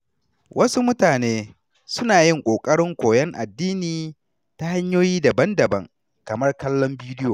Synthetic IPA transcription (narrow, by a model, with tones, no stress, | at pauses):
wʔɐ˦su˦mʊ˦taː˨neː˦ | sʊ˦naː˨jɪ˦ŋkʷʼoː˨kʼɐ˦ɽɪ˦ŋkʷoː˨jɛ˦ŋʔa̰˨dːiː˦niː˨ | ta˦ha˦ɲjoː˦jiː˦dɐ˨bɐ˦ndɐ˨bɐ̰˦ŋ | kɐ˨mɐ˦rkɐ˦lːɔ˦mbiː˦dɪ˦joː˨